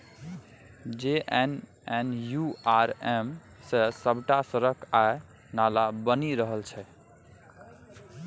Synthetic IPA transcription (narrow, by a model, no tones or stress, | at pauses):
d͡ʒeʔen | enjuaɾem | sesəbʱʈasəɾəkʰae | nalabəniɾəɦəlt͡ʃʰɛ